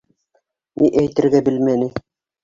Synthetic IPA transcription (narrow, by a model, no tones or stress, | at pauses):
niʔæjt̪ɘ̆ɾɡæbɘ̆lmænɘ